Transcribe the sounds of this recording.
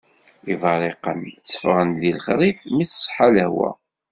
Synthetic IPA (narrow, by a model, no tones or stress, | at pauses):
ivɑɾˤeqə̰nt͡sːə̥fʁənðilχɾˤifmiθə̥sˤħaləhwæ̰